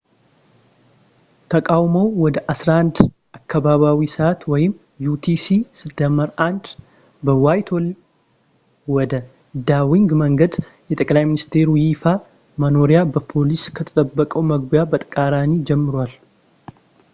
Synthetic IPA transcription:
t̪ʰəkʼawməwwɔd̪əʔasɾahand̪ | ʔakːaβaβawisat̪wɔjɪm | jut̪ʰisisɨt̪ːəməɾand̪ | bəwajt̪ʰol | wɔd̪ə | d̪awiŋɡməŋɡəd̪ | jɛt̪ʼəkʼlajmɪnist̪ʰe̞ɾwjɪfa | məno̞ɾijabəpʰo̞liskʰət̪ʰət̪ʼəbːəkʼəwməɡbjabət̪ʼkʼaɾanid͡ʒɛmːɨɾwal

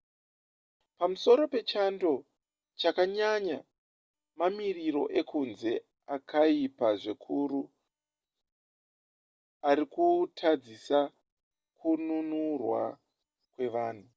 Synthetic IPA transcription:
pamuso̞ɾo̞pe̞t͡ʃando̞ | t͡ʃakaɲaɲa | mamiriro̞̰ʔe̞kʰunze̞ | akʰaipaʐekʰuru | aɾikutʰad͡zisa | kununurwa̰ | kwe̞ʋaːn̤u

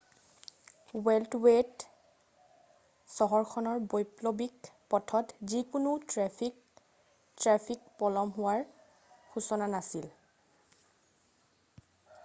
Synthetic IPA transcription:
wɛltwet | sɔɦɔɹkʰɔnɔɹbɔjplobikpɔtʰɔtzikunutɹɛi | tɹapʰikpɔlɔmɦʊwaɹ | xusɔnanasil

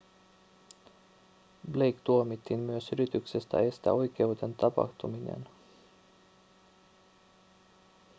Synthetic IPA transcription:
blejkt̪uomit̪ːinmyøsyɾit̪yksest̪æ̰e̞st̪æ̰o̞jk̟e̞ud̪e̞nt̪ɑpɑ̰xt̪uminḛn

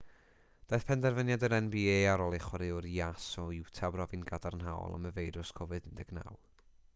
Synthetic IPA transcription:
d̥ajθpʰɛndɛrvənjadəɾɛnbieaɾɔlˠɪχwɔɾɪʊɾiasɔɪwtʰabrɔvinɡadarnɦa̰wɔ̰lˠa̰məvejɾʊskʰɔvɨðɪndɛɡ̥na̰wlˠ

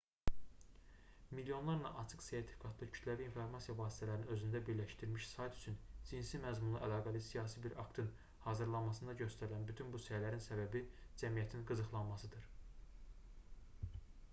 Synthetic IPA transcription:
milijo̞nlˠɑɾnɑʔɑt͡ʃʰɯkse̞ɾt̪ʰi̥fi̥kʰɑt̪ʰlˠɯcʰyt̪læviːnfo̞ɾmɑsijɑvɑːsi̥t̪ʰælæɾiniø̞zynd̪æbiɾlæʃt̪iɾmiʃsɑjt̪ʰy̥t͡ʃʰynd͡ʒinsimæzmunˠɯʔælˠɑːɡælˠɯsijɑːsibiɾʔɑkt̪ʰɯn | hɑːzɯɾlˠɑnmɑsɯnd̪ɑɟø̞st̪æɾilænbyt̪ʰynbusælæɾinsæbæbid͡ʒæmijæt̪ʰinɡɯzɯxlˠɑnmɑsɯd̪ɯɾ

